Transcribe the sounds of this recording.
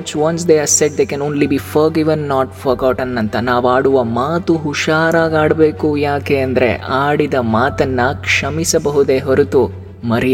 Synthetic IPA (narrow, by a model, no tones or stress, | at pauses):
ɐt͡ʃʋɐnsd̪eaɾseɖ̚d̪eːkɛ̃nõːnlibiːfɐɾɡiʋɐnːɔːʈfɐɾkawʈɐnːɐnt̪ɐnaːʋaːɽuʋɐmaːt̪uɦuʃaːɾaːɡaːɽɐbeːkujaːkeɐnd̪ɐɾe̞̰ʔaːɽid̪ɐmaːt̪ɐnːɐkʂɐmisɐbɐɦud̪eɦɐɾut̪u | mɐɾɛ